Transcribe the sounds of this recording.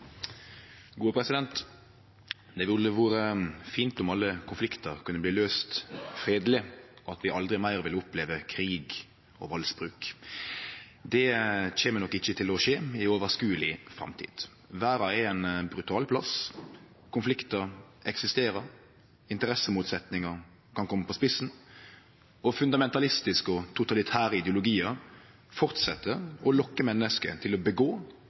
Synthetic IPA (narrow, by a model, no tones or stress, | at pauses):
ɡuːəpʰɾɛsɪd̪ɛnt̪ | d̪ɛʋɪlːəʋɑːɾəfiːnt̪ʊmɑlːəkʰʊnflɪkt̪əʁkʰʉnːəbliːløːst̪fɾeːd̪lɪɔɑt̪ʋɪʔɑld̪ɾɪmæɪʁʋɪlʊpleːʋəkʰɾiːɡ | ɔ̰ʋɑlsbɾʉːk | d̪ɛc͡çeːmənɔkːɪçːət̪ʰɪlɔʃeːɪoːʋəʁskʉːəlɪfɾɑ̰mt̪ʰḭːd̪̥ | ʋæːɾɑɛɛnbɾʉt̪ʰɑːlpʰlɑs | kʰʊnflɪkt̪əɾɛksɪst̪eːɾəɾ | ɪnt̪əɾɛsəmuːt̪sɛt̪nɪŋəɾ | kʰɑnkʰɔmːəpʰɔspɪsn | ɔfʉnd̪ɑmɛnt̪ɑlɪst̪ɪskɔt̪ʰʊt̪ɑlɪt̪ʰæːɾəɪd̪ɛəʊlʊɡiːəɾ | fɔʁt̪sɛt̪ːəɔlɔkːəmɛnːəskət̪ʰɪlɔbəɡoː